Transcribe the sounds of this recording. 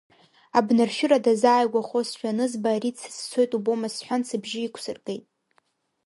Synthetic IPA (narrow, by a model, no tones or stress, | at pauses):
abnɨrʃᶣʊɾadazaːjɡʷaχosʃᶣanɨzbaːɾit͡sʰst͡sʷʰo̞jtʼubo̞masħʷansʰɨbʒɪikʷʰsɨrɡʼe̞jtʼ